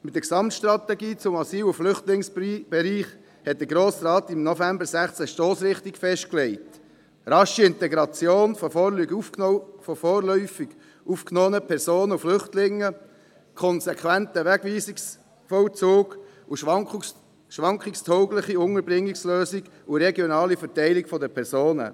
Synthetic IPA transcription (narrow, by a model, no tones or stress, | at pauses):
mɪt̚dəɾksɑmtʃtɾɑt̪ɛɡiːt͡sʊmɑsiːlʊflʏχtlɪŋsb̥ɛɾiːχ | hɛt̚d̥̪əɡɾoːsrɑːt̪ɪmnɔfæmbəɾsæχt͡sɛʃtoːsɾɪχtikfɛʃt̚klɛɪt | ɾɑʃiɪntɛɡɾɑt͡sjoːnfɔfɔlyɡuffɔfoːɾlœʏfiɡ̥ | ufknoːənəpʰɛɾsoːnəuflʏχtlɪŋːə | kʰɔnsɛkʰwæntəʋæɡ̥ʋiːsiks | fɔwt͡suːɡ | u | ʃʋɑŋkχɪkstʰɔʊɡlɪχiʊŋəɾbɾɪŋːiksløːsiɡ̥ | ʊɾɛɡjɔnɑːlifɛɾtɛɪliɡfɔd̪əpʰɛɾsoːnə̰